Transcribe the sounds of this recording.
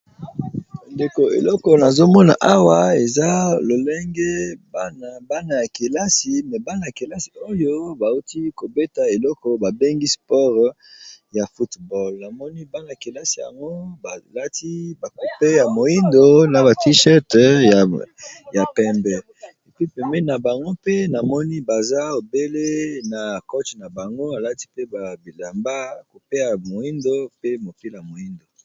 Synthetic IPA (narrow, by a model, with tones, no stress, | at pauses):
nde˨ko˨ḛ˨lɔ˦kɔ˨na˨zo˦mɔ˦na̰˨ʔa˦wa˨e˨za˦lo˨lɛ˦ŋɡɛ˦ba˦na˨ba˦na˨ja˨ke˨la˦si˨mɛ˨ba˦na˨ja˨ke˨la˦si̥˨o˦jo˦ba˨u˦ti˦ko˨be˦ta˨e˨lɔ˦kɔ˨ba˨be˦ŋɡi˦spɔ˦ʁ | ja˨fu˦tbɔ˦lna˨mɔ˦ni˦ba˦na˨a˨ke˨la˦si˨ja̰˨ŋɡo˦ba˨la˦tʰi˦ba˨ku˨pe˦ja˨mo˨i˦ndo˨˦na˨ba˨ti˦ʃɛ˦tja˨ja˨pɛ˨mbɛ˨ | e˨pi˦pɛ˨mbɛ˦na˨ba˨ŋɡo˦pe˦na˨mɔ˦ni˦ba˨za˦o˨be˦le˦na˨ko˦t͡ʃna˨ba˨ŋɡo˦a˨la˦ti˦pe˦ba˨bi˨la˨mba˦˨ku˨pe˦ja˨mo˨i˦ndo˦pe˦mo˨pe˦la˨mo˨i˦ndo˨